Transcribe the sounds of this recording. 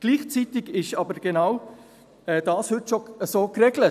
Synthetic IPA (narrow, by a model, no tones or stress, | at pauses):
ɡ̥liːχt͡sitɪɡɪʃɑbəɾɡ̥enaw | ɛːdɑːshʏtʃoəsoːkrɛɡlə